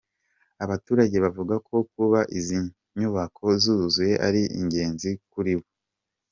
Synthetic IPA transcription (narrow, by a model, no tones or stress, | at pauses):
aβatuːɾaɟe̞βavuɡakʰo̞kuβaʔizi | ɲuβakʰo̞zuzuje̞ʔa̰ɾiʔḭɲɟe̞ːnzikuɾiβo